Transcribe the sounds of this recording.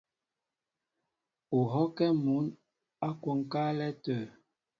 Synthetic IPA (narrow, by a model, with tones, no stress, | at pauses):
u˨ɦɔ˦kɛ˦mu˨˦n | a˦kwo˨ŋ˨ka˦lɛ˦tə˨